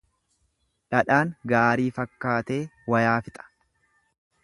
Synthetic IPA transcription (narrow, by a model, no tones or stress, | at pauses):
ᶑɐᶑaːŋɡaːɾiːfɐkːaːt̪e̞ːwɐjaːfɪt̪ʼɐ̥